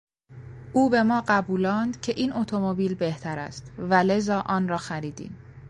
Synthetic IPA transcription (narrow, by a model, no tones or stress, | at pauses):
ʔuːbe̞mɒːɢæbuːlɒːnd̪̥cʰe̞ʔiːnʔot̪ʰomobiːlbeht̪ʰæɾæ̰st̪væle̞zɒːʔɒːnrɒːxæɾiːd̪ḭːm